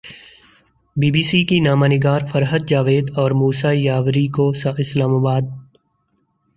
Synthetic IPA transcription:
biːbiːsikinaːmaːnɪɡaːɾfəɾɦəd̪̚d͡ʒaːʋeːd̪ɔːɾmuːsajaːʋɾikosaɪslaːmaːbaːd̪̚

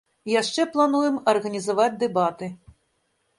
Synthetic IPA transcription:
jaʂt͡ʂɛplˠanujɛmɐrɣɐnʲizavad͡zʲd̪ɛbat̪ɨ

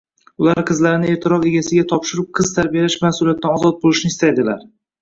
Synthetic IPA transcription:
ʊlaɾqʰɨzlaɾɪnɪe̞ɾt̪ʰɪɾɒve̞ɡʲasɪɡʲat̪ʰɒpʃɪɾɪp̚qʰɨz̥t̪ʰaɾbijalaʃmahsʊlˠijat̪̚ːanɒzɒt̪̚bolɪʃnɪːst̪ʰajd̪ɪla̰ɾ

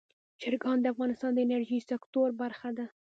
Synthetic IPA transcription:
d͡ʒɪɾɡɑnd̪əafɣɑnɪst̪ɑnd̪əɪnaɾʒisɪkt̪oɾbaɾxad̪a

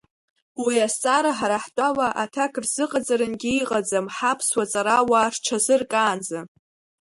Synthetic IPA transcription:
wiast͡sʼaɾaħaɾaħtʷʼawaʔatʰakʰrz̥ɨqʼad͡zaɾɨnɡʲiiqʼad͡zamħapʰswat͡sʼaɾawarʈ͡ʂʰazɨrkʼaːnd͡za

